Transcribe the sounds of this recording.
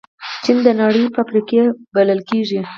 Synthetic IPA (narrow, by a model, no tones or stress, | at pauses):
t͡ʃind̪ənɑɽəjfapɾikebaləlkeʐi